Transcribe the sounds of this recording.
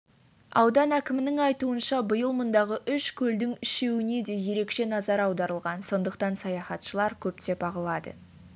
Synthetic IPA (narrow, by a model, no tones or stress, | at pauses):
ɑ̰wd̪ɑnækʲɪmɪnɪŋɑjt̪uənʃɑbʊjəlˠmʊnd̪ɑʁəʔʏʃkʲʰɵld̪ɪŋɪʃe̞wɪne̞d̪e̞je̞ɾe̞kʃe̞nɑzɑɾɑwd̪ɑɾəlˠʁɑnso̞nd̪əqt̪ɑnsɑjɑχɑt̪ʃəlˠɑɾkʲʰɵp̚t̪e̞bɑʁəlˠɑd̪ə̰